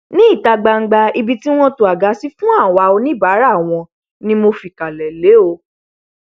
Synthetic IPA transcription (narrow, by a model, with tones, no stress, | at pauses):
nĩ˦i˦˨ta˧ɡ͡ba˧ŋ̩˦ɡ͡ba˧i˧bi˧ti˦w̃ɔ̃˦to˨a˨ɡa˨˦si˦fũ˦a˦˨wa˧o˧nĩ˦ba˨˦ɾa˦˨w̃ɔ̃˧ | nĩ˦mo˧fi˨ka˨lɛ˨le˨˦o˧